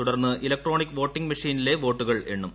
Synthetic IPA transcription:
t̪uɽɐrnːɨʔilɐk̚ʈro̞ːɳikːʋo̞ːʈːiŋɡmɐʂiːnile̞ʋo̞ːʈːuɣɐɭeɳːum

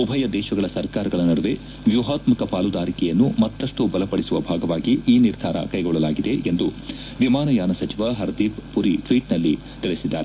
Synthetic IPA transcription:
ubʱɐjɐd̪ɛːʃɐɡɐɭɐsɐɾkaːɾɐɡɐɭɐnɐɽuʋe̞ | ʋjuɦaːt̪mɐkɐpaːlud̪aːɾikɛjɐnːumɐt̪ːɐʂʈubɐlɐpɐɽisuʋɐbʱaːɡɐʋaːɡiiːniɾd̪ʱaːɾɐ̰kɐjɡɔɭːɐlaːɡid̪e̞ʔend̪u | ʋimaːnɐjaːnɐsɐt͡ʃiʋaɦɐɾd̪iːppuɾiʈʰʋiːʈnɐlːi | t̪iɭesid̪ːaːɾe

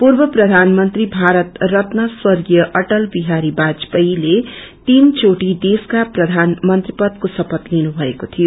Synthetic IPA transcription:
purbʌprʌd̪ʱanmʌnt̪ribʱaɾʌt̪rʌt̪naswʌrɡijʌʔʌʈʌlbiɦaɾibad͡zpʌile | t̪int͡ʃoʈid̪eskaprʌd̪ʱanmʌnt̪ripʌd̪̚kosʌpʌt̪linubʱʌekot̪ʰijo

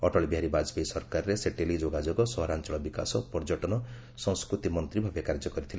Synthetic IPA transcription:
ɔʈɔɭibiɦaɾibad͡ʒpejsɔɾkaɾɾeseʈelid͡ʒoɡad͡ʒoɡɔsɔɦɔɾant͡ʃɔɭɔbikasɔpɔɾd͡ʒɔʈɔnɔ | sɔ̃skɾut̪imɔnt̪ɾibʱabekaɾd͡ʒɔkɔɾit̪ʰile

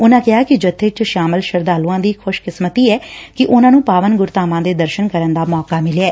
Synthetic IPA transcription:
ʊnãːkɪɦaːkɪd͡ʒət̪ʰːeːt͡ʃʃaːməlʃəɾd̪aːluːãːd̪iːkʰʊʃkɪsmət̪iːɛːkɪʔʊnãːnũːpaːʋənɡʊɾt̪aːmãːd̪eːd̪əɾʃənkəɾənd̪aːmɔːkaːmɪlːɛː

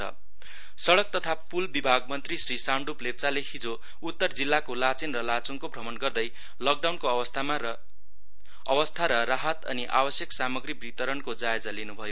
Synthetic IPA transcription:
ʌ̰ | sʌɽʌk̚t̪ʌt̪ʰapulbibʱaɡmʌnt̪risrisaɳɖuplep̚t͡saleɦid͡zo | ut̪ːʌrd͡zilːakolat͡sinrʌlat͡suŋkobʱrʌmʌnɡʌrd̪ʌj | lʌk̚ɖawnkoʌwʌst̪ʰama | ʌwʌst̪ʰaɾʌraɦʌt̪ʌ̰niʔa̰bʌsjʌksamʌɡribrit̪ʌɾʌnkod͡zaed͡zalinubʱʌjo

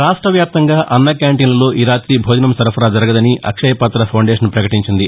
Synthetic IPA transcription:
ɾaːʂʈɾɐʋjaːp̚t̪ɐŋɡaːʔɐnːɐkjaːɳʈiːnlɐlo̞ːʔiɾaːt̪ɾibʱoːd̪inɐmsɐɾɐpʰɐɾaːd͡ʒɐɾɐɡɐd̪ɐniʔɐ̰kʂɐjɐpɐt̪ɾɐpʰɐwɳɖeːʂɐnpɾɐkɐʈiɲt͡ʃind̪i

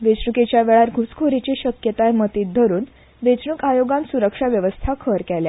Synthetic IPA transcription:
ʋet͡sɳuket͡ɕjaʋeɭaɾɡʱuskʰoɾit͡ɕiɕəkjət̪ajmət̪iːt̪̚d̪ʱəɾuːn | ʋet͡sɳukajoɡãnsuɾəkʂaʋjəʋəst̪ʰakʰəɾkɛlja

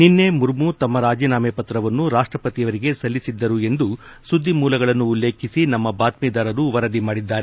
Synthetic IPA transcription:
ninːe̞muɾmut̪ɐmːɐɾaːd͡ʒiːnaːmepɐt̪ɾɐʋɐnːuɾaːʂʈɾɐpɐt̪ijɐʋɐɾiɡe̞sɐlːisid̪ːɐɾue̞nd̪u | sud̪ʱːimuːlɐɡɐɭɐnːuːlːeːkʰisinɐmːɐbaːt̪miːd̪aːɾɐɾuʋɐɾɐd̪imaːɽid̪ːaːɾe

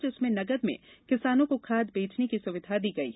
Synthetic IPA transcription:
d͡ʒʊsmẽnɐɡəd̪mḛ̃kɪsaːnõkokʰaːd̪beːt͡ʃnekisʊʋɪd̪ʱad̪iːɡɐḭː

